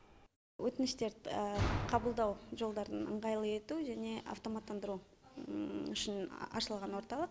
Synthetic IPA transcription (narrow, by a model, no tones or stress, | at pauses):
wʔɵt̪ɪnɪʃt̪e̞ɾ | qʰɑbəlˠd̪ɑwʒo̞lˠd̪ɑɾənə̰ɴʁɑjlˠəe̞t̪uʒæne̞ʔa̰ft̪o̞mat̪ːɑnd̪əɾu | ʏʃɪnɑ̰ʃəlˠʁɑnwo̞ɾt̪ɑlˠəq